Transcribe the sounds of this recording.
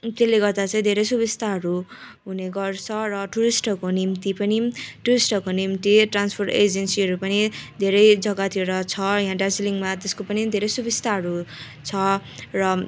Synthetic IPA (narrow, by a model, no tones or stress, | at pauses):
t̪elːeɡʌrd̪at͡saĩd̪ʱeɾʌjsubist̪ʰaɦʌɾuɦuneɡʌrt͡sʰʌrʌʈuɾisʈʌkonimt̪ipʌniʈuɾisʈʌkonimt̪iʈranspʰorʈed͡zensiɦʌɾupʌnid̪ʱeɾʌjd͡zʌɡat̪ʰiɾʌt͡sʰʌjɦãʈasiliŋmat̪eskopʌnid̪ʱeɾʌjsubist̪ʰaɦʌɾu | t͡sʰʌrʌ